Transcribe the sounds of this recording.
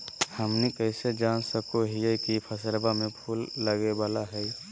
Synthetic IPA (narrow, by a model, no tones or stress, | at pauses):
həmnikəɪsed͡ʒaːnsəkoɦiɛkipʰəsəlbamẽpʰuːlːəɡebaːlaɦɛi